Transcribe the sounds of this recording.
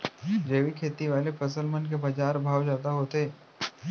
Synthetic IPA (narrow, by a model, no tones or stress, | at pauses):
d͡ʒeːʋikʰeːt̪iʋaːlefʰɐsəlmənk̬ebɐd͡ʒaːɾbʱaːʋd͡ʒaːd̪aɦoːt̪eː